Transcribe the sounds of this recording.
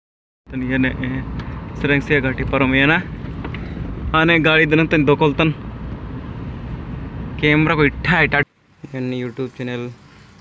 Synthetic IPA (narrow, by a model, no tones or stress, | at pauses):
t̪ɐnjɐneʔ | sɾeŋsijaɡaʈipɐɾomjɐna | aːneɡaːɽid̪ɨnɐnt̪ɐnd̪okolt̪ɐn | keːmɾakoiʈʰːaːiʈa | jɐnjuːʈjuːb̚t͡ʃenel